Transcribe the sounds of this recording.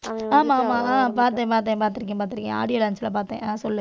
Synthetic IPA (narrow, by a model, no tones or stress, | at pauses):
aːmaːmaːaːp̬aːɾt̪̬ẽːpaːɾt̪̬ẽːpaːɾt̪̬ɪɾɯk̬ːẽːpaːɾt̪ːɪɾɯkːḛ̃ːa̰ːɽɪjɐlɐnsɐlapaːɾt̪ḛ̃ːʔaːsɔlːɯ